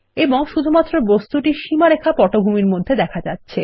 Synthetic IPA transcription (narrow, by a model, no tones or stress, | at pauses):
eboŋʃud̪ʱumat̪ːɾobost̪uʈiʃimaɾekʰapɔʈobʱumiɾmod̪ʱːed̪ɛkʰad͡ʑatːɕʰe